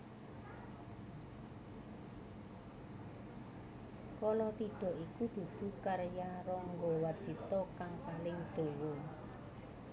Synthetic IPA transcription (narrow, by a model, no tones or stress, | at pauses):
kɔlɔt̪iɖ̥ɔ̤ʔikud̪̥ṳd̪̥ṳkaɾjaɾɔŋɡowarsit̪ɔkaŋpalɪŋd̪̥o̤wɔ